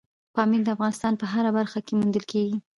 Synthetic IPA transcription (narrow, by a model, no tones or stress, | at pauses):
pɑmild̪əafɣɑnɪst̪ɑnpəɦaɾabaɾxakemund̪əlkeɡi